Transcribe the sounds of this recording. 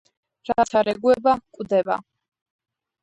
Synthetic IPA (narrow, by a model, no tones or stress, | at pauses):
ɾasʰaɾɛɡwɛbakʼwd̪ɛba̰